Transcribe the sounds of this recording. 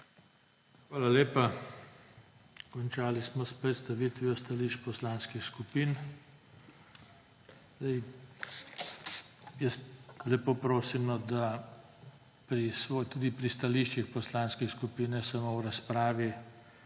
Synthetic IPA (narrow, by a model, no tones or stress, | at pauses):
xʋaːlaleːpa | kɔnt͡ʃaːlismɔspɾɛt̪st̪aʋiːt̪ʋiɔst̪aliːʃt͡ʃpɔslaːnskixskupin | d̪ɛj | jəst̪lɛpopɾoːsimnɔd̪a | pɾisʋoːjt̪uːd̪ipɾist̪aliʃt͡ʃixpɔslanskɛskupiːnɛsamowɾaspɾaːʋi